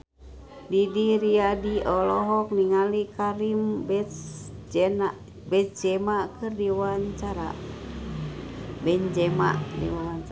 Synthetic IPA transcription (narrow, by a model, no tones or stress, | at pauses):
didiɾiadiɔlɔɦɔk̚niŋalikaɾimbɛtd͡ʒɛna | bɛt̪̚d͡ʒɛmaʔkɨrdiwaɲt͡ʃaɾa̰ | bɛɲd͡ʒɛma̰ʔdḭwawa